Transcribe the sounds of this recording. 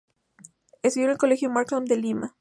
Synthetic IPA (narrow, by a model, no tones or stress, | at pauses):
est̪ujonelkole̞xjomaɾklomd̪elima